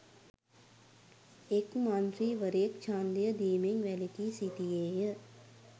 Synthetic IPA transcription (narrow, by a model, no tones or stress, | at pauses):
ekmant̪ɾiːʋəɾekt͡ʃʰaːnd̪ijəd̪iːmeŋʋɛlikiːsit̪ijeːjə